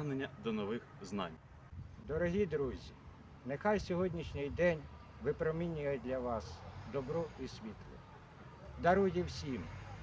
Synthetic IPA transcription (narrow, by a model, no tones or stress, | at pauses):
ɦnenʲːɐd̪ɔnɔʋɪxznɑ̰nʲ | d̪ɔɾɔɦʲid̪ɾuzʲi | nexɑjsʲɔɦɔdʲnʲiʃnʲɪjd̪ɛnʲ | ʋɪpɾɔminʲʊjɛd̪ʲlʲɐʋɑsd̪ɔbɾɔisʲʋʲit̪lˠʊ̰ | d̪ɐɾujiwsʲim